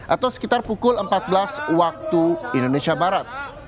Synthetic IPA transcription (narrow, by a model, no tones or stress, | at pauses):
ʔat̪awsə̥kit̪arpukʊləmpat̪̚bəlaswak̚t̪uindonesiabaɾat̪̚